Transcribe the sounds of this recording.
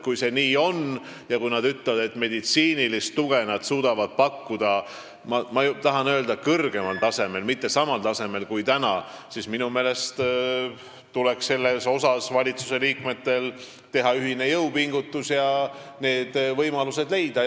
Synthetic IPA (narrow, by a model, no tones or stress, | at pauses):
kujse̞niːo̞n | jɑkujnɑd̪yt̪levɑd̪e̞t̪ːˑme̞d̪it̪siːnilist̪ːuɡ̥e̞nɑd̪̥suːd̪̥ɑvɑd̪̥̚pɑkːud̪̥ɑ | mɑmɑt̪ɑɦɑnø̞ːld̪ɑkɤrɡ̥e̞mɑlt̪ɑse̞me̞lmit̪ːe̞sɑmɑlt̪ɑse̞me̞lkujt̪ænɑsisminume̞ːle̞st̪ | t̪ule̞ksse̞lːe̞so̞sɑsvɑlʲit̪suse̞liːkme̞t̪ːe̞l | t̪e̞ɦɑyɦine̞jɤwpiŋɡut̪ːusjɑ | ne̞ːd̪̥vɤjmɑluse̞d̪̥le̞jd̪̥ɑ